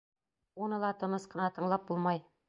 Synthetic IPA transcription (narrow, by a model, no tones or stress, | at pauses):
unɤlˠɑt̪ɤ̆nɤsqɤ̆nɑt̪ɤ̆ɴlˠɑp̚bulˠmɑj